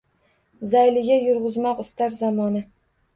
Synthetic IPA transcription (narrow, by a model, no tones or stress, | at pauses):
zajlɪɡʲajʊɾʁʊzmɒqɪst̪aɾzamɒnɪ